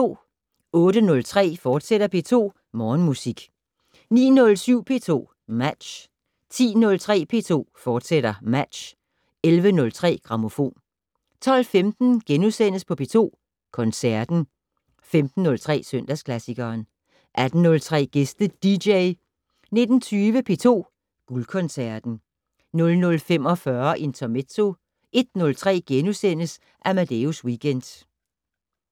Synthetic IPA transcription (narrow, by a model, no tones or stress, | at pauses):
o̝̰ː | ɔ̽ːɾənɔ̽lt͡sʰʁɛ̰ːfɒːd̥seɾ̥ɐpʰe̝ːt͡sʰo̝̰ː | mɒːnmusiɡ̥ | nḭːnɔ̽lsyʊ̰pʰe̝̰ːt͡sʰo̝̰ː | mæd̥ɕ | t͡sʰḭːnɔ̽lt͡sʰʁɛ̰ːpʰe̝̰ːt͡sʰo̝̰ːfɒːd̥seɾ̥ɐmæd̥ɕ | elʋənɔ̽lt͡sʰʁɛ̰ːɡ̥ʁɑ̈mo̝fo̝̰ːn | t͡sʰɒ̽l̰femd̥n̩ɡ̥enusen̰əspʰɒ̽pʰe̝t͡sʰo̝̰ː | kʰɒ̽nsæɐd̥n̩ | femd̥n̩ːɔ̽lt͡sʰʁɛ̰ːsœn̰d̥æskʰlæsiɡ̥ɐːn | ʔæd̥n̩nɔ̽lt͡sʰʁɛ̰ːɡ̥e̝sd̥əd̥ideɪ | ne̝d̥n̩t͡sʰyːʋəpʰe̝t͡sʰo̝̰ː | ɡ̥ulkʰɒ̽nsæɐd̥n̩ | nɔ̽lnɔ̽lfem̰ɒ̽fɶɐʔe̝nt͡sʰɒmet͡sʰo̝ | ʔe̝d̥nɔ̽lt͡sʰʁɛ̰ːɡ̥enusen̰əs | ʔæmæd̥euswiɡ̥end̥